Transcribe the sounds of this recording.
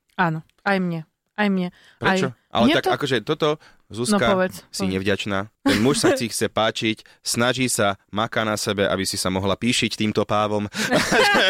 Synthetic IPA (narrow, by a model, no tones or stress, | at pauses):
aːnɔ | ajmɲɛ | ajmɲɛ | pɾɛt͡ʃɔʔa̰lɛt̪akakɔʒɛt̪ɔt̪ɔ | zusnkaɔʋɛt͡ssiɲɛvɟat͡ʃnaːt̪ɛnmuʃsat͡sixt͡sɛpaːt͡ʃic | snaʒiːsamakanasɛbɛʔa̰bisisamɔɦlapiːʃict̪iːmt̪ɔpaːʋɔmʒɛ